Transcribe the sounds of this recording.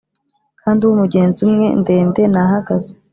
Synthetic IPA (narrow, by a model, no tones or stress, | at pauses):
kʰaːndiwumuɡeːnzumŋe̞̰nde̞ːnde̞naɦaɡaze